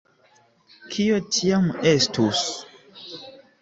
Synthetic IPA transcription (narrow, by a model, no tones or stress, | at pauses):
kʰiotʰiamestus